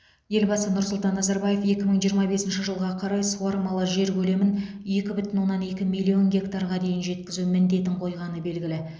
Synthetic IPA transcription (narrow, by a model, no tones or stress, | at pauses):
je̞lbɑsənʊɾsʊlˠt̪ɑnːɑzɑɾbɑje̞fe̞kʲɪməɴʒijəɾmɑbe̞sɪnʃɪʒəlˠʁɑqʰɑɾɑjsuɑɾmɑlˠəʒe̞ɾkʲʰɵle̞mɪn | je̞kʲɪbʏt̪ɪnwo̞nːɑne̞kʲɪmijlʲːio̞ŋɡʲe̞kt̪aɾʁɑd̪e̞jɪnʒe̞t̪kʲɪzumɪnd̪e̞t̪ɪɴqʰo̞jʁɑnəbe̞lɡʲɪlɪ